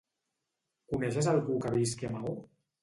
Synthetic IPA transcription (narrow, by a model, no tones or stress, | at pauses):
kuneʃ̬ezalɣukaβiskemau